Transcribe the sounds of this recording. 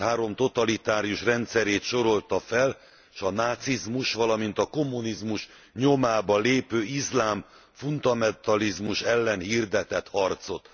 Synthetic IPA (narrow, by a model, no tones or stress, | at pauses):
haːɾo̞mt̪o̞t̪ɒlit̪aːɾijuʃrɛnt̪sɛɾeːt̪ʃo̞ɾo̞lt̪ɒfɛl | ʃɒnaːt̪sizmuʃʋɒlɒmint̪ɒko̞mːunizmuʃ | ɲo̞maːbɒleːpøːizlaːm | fund̪ɒmɛnt̪ɒlizmuʃɛlːɛnhiːrd̪ɛt̪ɛt̪hɒrt̪so̞t̪